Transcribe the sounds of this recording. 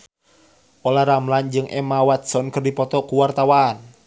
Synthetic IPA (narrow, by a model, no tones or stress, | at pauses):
ʔolahɾamland͡ʒɨŋʔɛ̰mawat̪̚sɔnkɨrdipɔt̪ɔkuwart̪awaːn